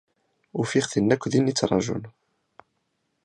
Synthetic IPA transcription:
ufiχθinːækʷːðinit͡sːɾˤɑ̰ʒṵn

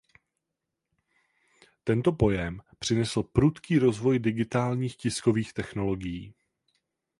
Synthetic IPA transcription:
t̪ɛnt̪o̞po̞jɛmpr̝̥ɪnɛsl̩pɾut̪kiːɾo̞zvo̞jdɪɡɪt̪aːlɲiːxcɪsko̞viːxt̪ɛxno̞lo̞ɡɪjiː

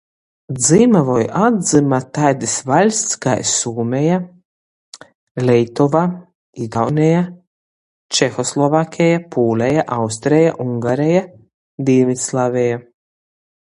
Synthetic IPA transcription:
d̪zimavɔjad̪zimat̪ajd̪isvalʲst̪ska̰jsuːmʲɛja | lʲɛjt̪ɔva | iɡawnɛja | t͡ʃɛxɔslˠɔvakʲʰɛjapuːlʲɛjaʔawst̪ɾɛjaʔuŋɡaɾɛja | d̪imʲit̪slˠaːvʲɛja

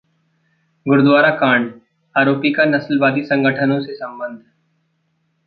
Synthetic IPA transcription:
ɡʊɾd̪ʋaːɾakaːɳɖ | aːɾoːpikanɐslʋaːd̪isə̃ŋɡʱəʈʰənõsesə̃mbə̃nd̪ʱ

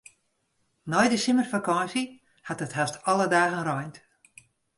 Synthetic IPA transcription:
nɔjdəsɪmərfakɔnsə | hatəthastɔlˠədaːɣənrɔjnt

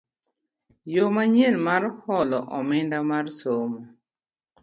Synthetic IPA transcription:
jomaɲelmarhɔlɔʔɔmɪndamarsomɔ

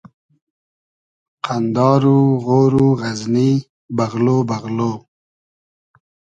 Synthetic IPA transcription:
qʰand̪ɑːɾuɣoːɾuɣazni | baɣlobaɣlo

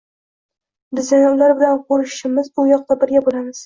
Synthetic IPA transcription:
b̪ɪzɪnʊlaɾbɪlanqʰoɾɪʃɪmɪzʊjɒq̚t̪abɪɾɡʲabolamɪz̥

